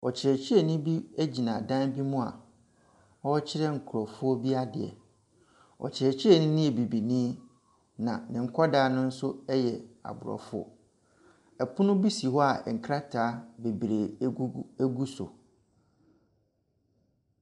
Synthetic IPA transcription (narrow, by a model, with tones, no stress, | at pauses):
ɔ˨t͡ɕʰɪ˨ɾɛ˨t͡ɕʰɪ˦ɛ˨nĩ˦bi˦æ˦d͡ʑi˨nã˨dã˦nbi˦mʊ̃˦a̰˨ | ɔ˦t͡ɕʰɪ˦ɾɛ˦ŋ̩˨kʰʊ˨ɾɔ˨fʊ˦ɔ˦bi˦a˦dɪ̰˨ɛ̰˨ | ɔ̰˨t͡ɕʰɪ˨ɛ˨t͡ɕʰɪ˦ɛ˨nɪ̃˦nĩ˦e˨bi˨bi˨nĩː˦ | nã˨nɪ̃˨ŋ̩˨kʰɔ˦daː˨˦nʊ̃˦n̩˦sʊ˦ɛ˦jɛ˨a̰˨bʊ˨ɾɔ̰˨fʊ˦ɔ̰˦ | ɛ˨pʰʊ˦nʊ̃˦bi˦si˨ɦɔ˦a˨ɛ˨ŋ̩˨kʰɾa˦tʰaː˨˦be˨bɾe˨˦ | e˦ɡu˦sʊ̰˨